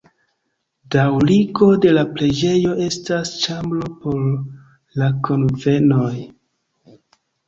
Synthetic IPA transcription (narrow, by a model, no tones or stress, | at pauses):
dawliɡo̞de̞lapɾe̞d͡ʒe̞jo̞ʔe̞stast͡ʃambɾo̞po̞ɾ | lakonve̞no̞j